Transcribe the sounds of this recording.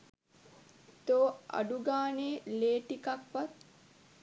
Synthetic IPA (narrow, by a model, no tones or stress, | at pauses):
t̪oːa̰ɖuɡaːneːleːʈikakʋat̪̚